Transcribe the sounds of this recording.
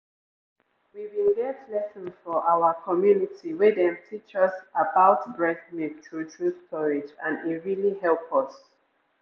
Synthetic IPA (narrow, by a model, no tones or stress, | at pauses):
wiwĩlɡɛtʰlɛsə̃nfɔʔaʊəkʰɔmjunitiwɪðɛ̃mtʰit͡ʃɔsabaʊtbɹɛkmiktʰutʰɹuθkʰɔɹɪd͡ʒãniɹilihɛlpʰɔs